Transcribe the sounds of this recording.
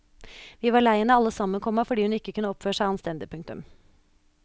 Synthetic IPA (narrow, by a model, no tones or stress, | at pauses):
ʋiːʋɑːɭæɪənəɑlːəsɑmːənkʰɔmːəfɔɖiːhʉnɪkːəkʉnəɔpføːʂæɪɑnst̪ɛnd̪ɪpʰʉŋkt̪ʉ̰m